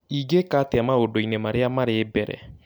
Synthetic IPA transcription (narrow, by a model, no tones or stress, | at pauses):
iɡekateamaodoinemaɾeamaɾebɛɾɛ̰